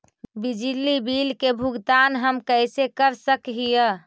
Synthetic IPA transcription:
bid͡ʒilibilkebʱuɡt̪anɦəmkəjsekəɾsəkɦijə

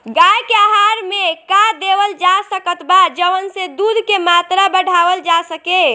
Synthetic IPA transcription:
ɡajkeaɦaɾmekad̪eʋəld͡ʒasəkət̪bad͡ʒəʋənsed̪ud̪ʱkemat̪ɾabəɽ̤ʱaʋəld͡ʒasəke

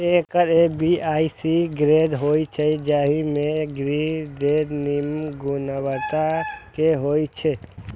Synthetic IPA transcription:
ekəɾebiajsiɡɾed̪ɦojt͡ʃʰɛd͡ʒaɦimeɡɾid̪ed̪nimɡunəbət̪akeɦojt͡ʃʰɛ

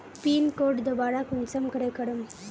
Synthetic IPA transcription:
piːnkoːɖd̪ɐbaːɽakʊnsɐmkɐɽɐkɐɽɯm

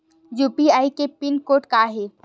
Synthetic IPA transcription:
juːpiaːikepɪnkoːʈkaɦe

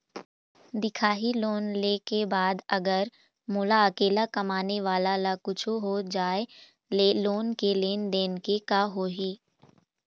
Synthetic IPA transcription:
d̪ɪkʰaːɦiloːnleːkebaːd̪ɐɡəɾ | moːlaɐkeːlakɐmaːneʋaːlalakʊt͡ʃʰoɦoːd͡ʒaːe | leːloːnkeleːnd̪eːnkekaɦoːɦiː

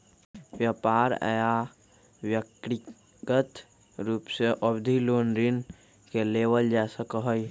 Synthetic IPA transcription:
ʋjapaːɾa̰ja | wjəkɾi | ɡət̪ | ɾuːpseʔəbd̪ʱiloːnɾin | keleʋəld͡ʒasəkəɦəj

